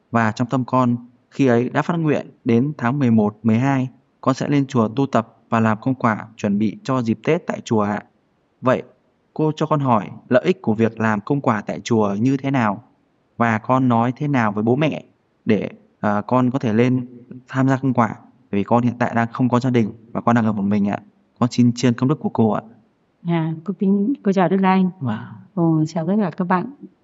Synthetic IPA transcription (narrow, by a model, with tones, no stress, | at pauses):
vaː˨˩t͡ɕɔ˧wŋ͡mt̪ə˧mkɔ˧n | xi˧ʔə˨˦jɗa̰ː˧˥faː˦˥t̚ŋwḭ˧˨ənɗe˨˦nt̪ʰaː˨˦ŋmɨ˨˩əjmo˨˩t̚mɨ˨˩əjɦaː˧j | kɔ˧nsɛ̰˧˥le˧nt͡ɕu˨˩ət̪u˧t̪ə˨˩p̚vaː˨˩laː˨˩mkə̰˧wŋ͡mkwaː˧˩t͡ɕwə˧˩nɓḭ˧˨t͡ɕɔ˧zi˨˩p̚t̪e˦˥t̚t̪a̰ː˧˨jt͡ɕu˨˩əaː˧˨ | və̰˧˨j | ko˧t͡ɕɔ˧kɔ˧nɦɔ˧˩jlə̰ː˧˨ʔi˦˥k̚ku˧˩əvi˨˩ək̚laː˨˩mkə˧wŋ͡mkwaː˧˩t̪a̰ː˧˨jt͡ɕu˨˩əɲɨ˧t̪ʰe˨˦naː˨˩w | vaː˨˩kɔ˧nːɔ˨˦jt̪ʰe˨˦naː˨˩wvəː˨˦jɓo̰˨˦mɛ̰˧˨ | ɗe˧˩ | ʔəː˨˩kɔ˧nkɔ˨˦t̪ʰe˧˩le˧nt̪ʰaː˧mzaː˧kə˧wŋ͡mkwaː˧˩ | aː˧˩jvi˨˩kɔ˧nhḭ˧˨nt̪a̰ː˧˨jɗaː˧ŋxə˧wŋ͡mkɔ˨˦zaː˧ɗï˨˩ŋ̟vaː˨˩kɔ˧nɗaː˧ŋlə˧˩˨mï˨˩ŋ̟ʔa̰ː˧˨ | kɔ˨˦nsi˧nt͡ɕi˧ənkə˧ŋ͡mɗɨ˦˥k̚ːu˧˩əko˧ʔa̰ː˧˨ | aː˨˩ko˧t̪i˨˦ŋko˧t͡ɕɔː˧˩ɗk̚la˧ʔa˧ŋː˧o˧sa˧˩wzəː˨˦˥a˨˩kaː˦˥k̚ɓa̰ː˧˨n